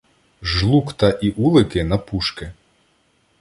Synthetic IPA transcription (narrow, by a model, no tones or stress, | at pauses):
ʒlˠukt̪ɐʔiʔulˠɪkɪnɐpuʃkɪ